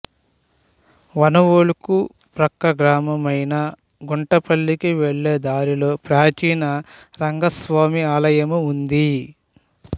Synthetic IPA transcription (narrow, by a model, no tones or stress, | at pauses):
ʋɐnɐʋoluku | pɾɐkːɐɡɾaːmɐmɐjnɐ | ɡuɳʈɐpɐɭːikiʋeɭːeːd̪aːɾilo̞ːpɾaːt͡ʃiːnɐɾɐŋɡɐsʋaːmiaːlɐjɐmuund̪i